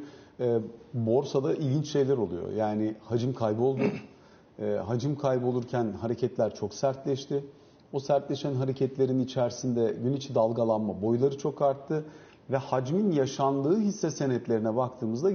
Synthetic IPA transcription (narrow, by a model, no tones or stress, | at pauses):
ɛːbo̞ɾsad̪aʔilʲɟʲint͡ʃʃe̞jlʲæɾo̞lˠujo̰jaːnɪhad͡ʒɯmkʰajbio̞lˠd̪u | ɛːɦad͡ʒɯmkʰajbio̞lˠuɾcʰænhaɾecʰɛt̪lʲæɾt͡ʃʰo̞ksæɾt̪lʲɛʃt̪ʰɪ | osæɾt̪lʲɛʃænɦaɾecʰɛt̪lʲe̞ɾinit͡ʃʰæɾsind̪ɛɟynit͡ʃʰid̪alˠɡalˠanmabo̞jlˠaɾɯt͡ʃʰo̞kaɾt̪ʰːɯ | vɛhad͡ʒminjaʃanlˠɯːɦisːɛse̞nɛt̪lʲe̞ɾinɛbak̚t̪ʰɯːmɯzd̪a